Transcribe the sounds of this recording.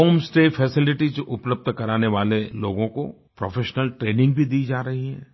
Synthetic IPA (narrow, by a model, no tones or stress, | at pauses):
oːmsʈeːfʰɛsɪlɪʈizʊpləb̚d̪ʱkɐɾaːneʋaːleloːɡõko̰ | pɾoːfeːʃnəlʈɾeːnɪ̃ŋɡ̚bʱid̪iːd͡ʒaːɾɐɦiɦɛ̰̃ː